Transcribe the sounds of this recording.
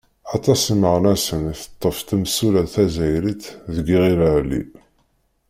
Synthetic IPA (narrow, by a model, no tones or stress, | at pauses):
ɑt̪ˤɑsməʁnæsənθə̥t̪ˤːəft̪əmsulæθæzæjɾit̪ðəɡiʁiləɾlːḭ